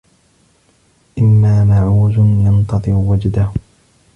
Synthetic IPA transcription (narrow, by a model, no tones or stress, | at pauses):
ʔɪmːaːmaʕuːzʊnjɑnt̪ɑðˤɨɾwad͡ʒd̪ah